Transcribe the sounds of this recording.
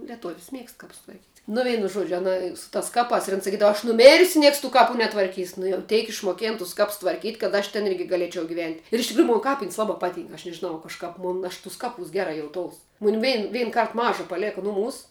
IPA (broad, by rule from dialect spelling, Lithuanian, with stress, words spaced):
lʲiɛˈtʊwsʲ ˈmʲiɛkst ˈkɐps tʋɐrʲˈkʲiːtʲ nʊ ˈʋʲɛɪnʊ ˈʒuɔd͡ʒʲʊ ɐˈnɐ sʊ tɐs ˈkɑːpɑːs ɪr ɐn sɐˈkʲiːdɐʋɐ ɐʃ nʊˈmʲeːrʲsʲʊ ˈnʲiɛks tuː ˈkɑːpʊ nʲɛtʋɐrʲˈkʲiːs nʊ jɛʊ ˈtʲɛɪk ɪʃmoːˈkʲeːn tʊs ˈkɐps tʋɐrʲˈkʲiːtʲ kɐt ˈɐʃ tʲɛn ˈɪrʲɡʲɪ ɡɐˈlʲeːt͡ʃʲɛʊ ɡʲɪˈʋʲɛnʲtʲ ɪr ɪʃ tʲɪkˈruːjʊ ˈmoːn ˈkɑːpʲɪnʲsʲ ˈlˠɑːbɑː ˈpɑːˌtʲiːŋk ɐʃ nʲɛʒʲɪˈnɐʊ kɐʃˈkɐp ˈmʊn ɐʃ ˈtʊs ˈkɑːˌpuːs ˈɡʲæːrɐ jɛʊˈtoːʊs ˈmʊn ˈʋʲɛɪn ˈʋʲɛɪn ˈkɐrt ˈmɑːʒɐ pɐˈlʲeːkɐ ˈnʊˌmuːs